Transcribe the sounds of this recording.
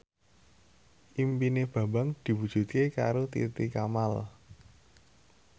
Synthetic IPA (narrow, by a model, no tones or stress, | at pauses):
ʔimpineb̥a̤mbaŋd̪̥i̤wud̥ʒ̥ṳt̪̚keka̰ɾot̪ḭt̪ikamal